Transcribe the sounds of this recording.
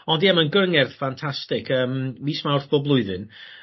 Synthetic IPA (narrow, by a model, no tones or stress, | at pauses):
ɔndiɛmənɡəŋɛrð̥fantʰastɪkʰəːmmiːsmawrθb̥ɔblˠʊɨðɨn